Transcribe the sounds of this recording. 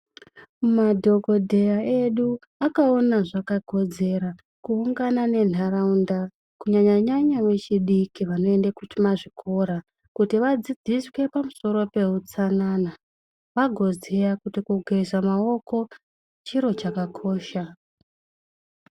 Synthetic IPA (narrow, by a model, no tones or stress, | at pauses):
madʱo̞ɡo̞dʱe̞jae̞ɗu | akao̞naʐakaɡʱo̞d͡ze̞ɾa | kuːŋɡanane̞nʰʱaɾaunda | kuɲaɲaɲaɲamwe̞t͡ʃiɗikiʋano̞e̞ndakut͡ʃumaʐikʰo̞ɾa | kutiʋad͡zid͡ziswe̞pamuso̞ɾo̞pe̞ɦut͡sanaːna | ʋaɡʱo̞d͡zejakutikuɡʱerizamao̞ko̞ | t͡ʃiɾo̞t͡ʃakakʰo̞ːʃa